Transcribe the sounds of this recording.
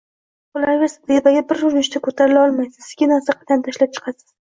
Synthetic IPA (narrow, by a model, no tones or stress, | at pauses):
ʊlaɾɡʲasɪzd̪ebaɡʲabɪɾʊɾnɪʃt̪akʰot̪ʰaɾɪlaɒlˠmajsɪzɪzɡʲanaɾsaqʰɑ̥t̪ʰant̪ʰaʃlap̚t͡ʃʰɨ̥qʰɑsɪ̥z̥